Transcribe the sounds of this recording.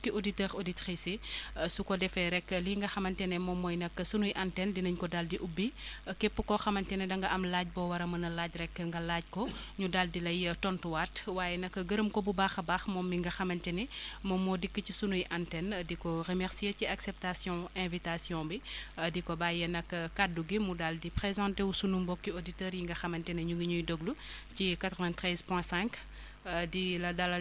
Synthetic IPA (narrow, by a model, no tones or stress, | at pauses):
kioditɛːɾoditɾisisukɔdɛfɛɾɛkːəliŋɡɐxɐmɐntɛnɛmɔmːɔːjnɐkːəsunujʔantɛndinɐɲkɔdaldiʔubːikɛpːəkɔxɐmɐntɛnɛdɐŋɡɐʔɐmlaːɟ̚bɔwɐɾɐmɐnɐlaːɟɾɛkːəŋɡɐlaːɟ̚kɔɲudaldilɐjtɔntuwatwaːjɛnɐkːɡəɾəmkɔbubaːxɐbaːxmɔːmːiŋɡɐxɐmɐntɛnɛmɔːmːɔdikːəcisunujʔantɛndikɔrəmɛɾsieciaksɛp̚tasjɔ̃ɛ̃vitasjɔ̃bidikɔbaːjɛnɐkːəkaduɡimudaldipɾezɑ̃nteusunumbɔkːioditɛːɾjiŋɡɐxɐmɐntɛnɛɲuŋɡiɲujdoɡlucikat̪ɾɔvɛ̃ntɾɛzpwɛ̃sɛ̃ŋk | dilɐdɐlɐ